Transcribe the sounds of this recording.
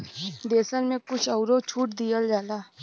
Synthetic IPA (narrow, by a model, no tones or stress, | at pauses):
d̪eːsənmẽkʊt͡ʃʰɐʊɾot͡ʃʰuːʈd̪ijəld͡ʒaːlaː